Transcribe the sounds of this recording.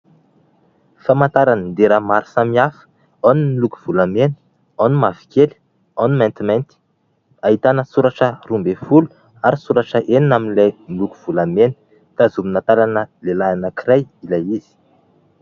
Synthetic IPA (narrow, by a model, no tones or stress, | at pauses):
famant̪aɾanənd̪eɾamaɾi̥samiafə̥ | awnimiluku̥v̥ulamenə̥ | animavi̥keli̥ | animɛ̃nt̪imɛ̃nt̪i̥ | aɦit̪anəsuɾaʈ͡ʂərumbefulu̥ | aɾisuɾaʈ͡ʂəʔeninaminlajmiluku̥v̥ulamenə̥ | t̪azuminat̪alanəlelaanəkiɾajilajizi̥